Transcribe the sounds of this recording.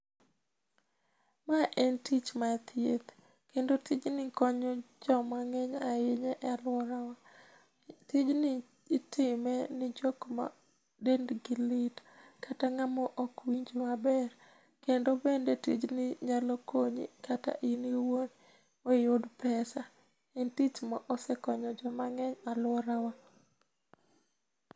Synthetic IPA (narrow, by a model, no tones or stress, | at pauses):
maʔɛntit͡ʃmat̪ʰjḛt̪ | kendotid͡ʒnɪkɔɲod͡ʒɔmaŋɛɲaɪɲɛʔalwɔɾawa | tid͡ʒnɪː | tʰɪmɛnɪd͡ʒokma̰ | dendɡɪlɪtkataŋamɔʔɔkwiɲd͡ʒmabɛr | kendobendetḭd͡ʒnɪɲalɔkoɲḭkata̰ʔiniwon | wejodpɛsa | ɪntit͡ʃmaʔɔsɛkɔɲɔd͡ʒɔmaŋɛɲalwɔɾawa